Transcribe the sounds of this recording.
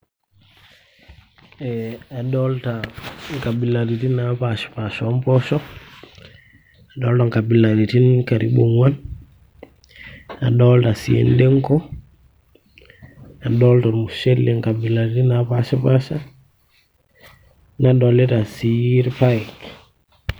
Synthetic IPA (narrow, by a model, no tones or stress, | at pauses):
ɛaɗɔltaŋkabilaɾitinapaʃi̥paʃɔmpɔʃɔ | aɗɔltaŋkabilaɾitinkaɾḭboŋwan | a̰ɗɔltasḭḛndeŋkɔ | aɗɔltaɾmuʃelːeŋkabilaɾitinapaʃapaʃa | nadɔlɛtasiɾpak